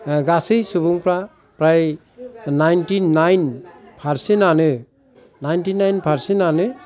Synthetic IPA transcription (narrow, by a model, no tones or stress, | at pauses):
ɡasɯjsubuŋpɾa | pɾaj | najntinajnpʰaɾsinanɯ | najntinajnpʰaɾsinanɯ